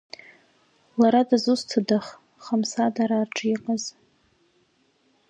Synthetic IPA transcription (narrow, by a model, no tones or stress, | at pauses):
laɾadazustʰadaχ | χamsadaɾaːrʈ͡ʂʼiqʼəz̥